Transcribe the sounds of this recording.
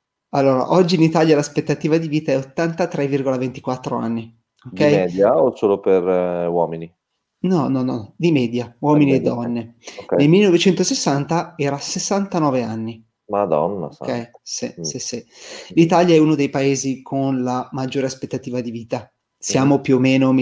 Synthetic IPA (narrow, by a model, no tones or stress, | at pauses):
alːoːɾa̰ʔɔd͡ʒːiːnit̪aːljalaspet̪ːat̪iːvad̪iviːt̪aɛot̪ːant̪at̪ɾɛvːirɡolavent̪ikwat̪ːɾoa̰nːi | odkːɛjɛd̪jaosoːloperwɔːmini | nɔnːɔnːɔd̪imɛːd̪jawɔminied̪ːɔnnːeknelmilːenɔvet͡ʃɛnt̪osesːant̪aɛːɾasesːant̪anɔːveanːi | mad̪ɔ̰nːa̰okːɛsisisi | lit̪aljaɛunod̪ejpaeːzikʰonlamad͡ʒːoːɾeaspet̪ːat̪iːvad̪iviːt̪a | sjaːmopjuomːeːnom